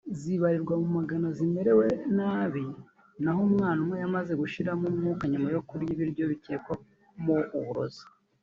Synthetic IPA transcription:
ziβaɾiɾɡwamumaɡanazime̞ɾe̞we̞naːβi | naɦomŋaːnamwejamaze̞ɡuʃiɾamumukaɲumajo̞kuɾjiβiɾjo̞βite̞ːkwo | muːβuɾo̞̰zḁ

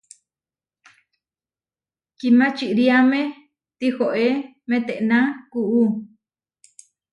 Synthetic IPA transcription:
kimãt͡ʃiʔɾiamẽ | t̪ihoʔe | mẽt̪eʔnãkuʔu

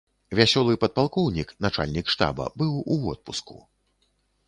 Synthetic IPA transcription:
vʲasʲɔlˠɨpɐt̪̚palˠkɔwnʲiknat͡ʂa̰lʲnʲikʂt̪a̰bɐ̰bɨwuɔt̪̚puskṵ

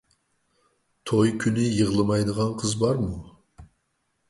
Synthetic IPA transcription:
t̪ʰojkʲʰynɪjəʁlˠɨmɑjd̪əʁɑnqʰəzbɑɾmu

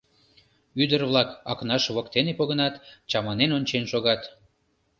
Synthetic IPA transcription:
yd̪ərβlɑkɑknɑʃβokt̪enepoɣənɑt̪t͡ɕɑmɑnenonʲt͡ɕenʃoɣɑt̪

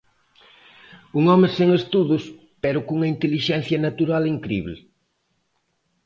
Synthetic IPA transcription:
uŋɔmɪseŋest̪uðʊs | pɛɾʊkuŋɐint̪eliʃɛn̟θjɐnat̪uɾaliŋkɾḭβl

